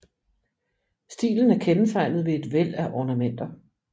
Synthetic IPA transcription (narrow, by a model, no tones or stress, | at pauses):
sd̥ḭːln̩æɐkʰent͡sʰɑ̈ɪ̰nð̞̩ˠʋe̝e̝d̥ʋel̰æʔɒːnæmen̰d̥ɐ